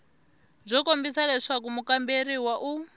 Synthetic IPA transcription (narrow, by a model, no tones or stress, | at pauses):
b͡ʐɔkombisalɛʂakumukambeɾiwaʔu